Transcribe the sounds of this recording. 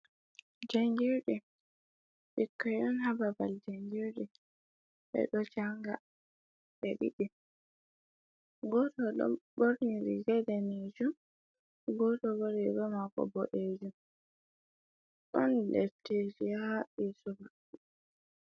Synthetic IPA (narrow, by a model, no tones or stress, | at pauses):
d͡ʒaŋɡiɾɗɛ | ɓikːɔjɗɔnhababald͡ʒaŋɡiɾɗɛ | ɓɛ̰ɗɔt͡ʃaŋɡa̰ | ɓɛɗḭɗi | ɡɔtɔɗɔ̰boɾniɾiɡɛdɛned͡ʒum | ɡɔtɔboɾiɾɔmakɔ̰bɔ̰ʔeːd͡ʒum | ɗɔnlɛ̰ted͡ʒiaɓisuba